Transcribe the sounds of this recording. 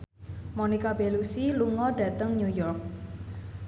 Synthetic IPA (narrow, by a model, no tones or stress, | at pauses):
monikab̥elusiluŋɔɖä̤t̪əŋɲujɔrk̚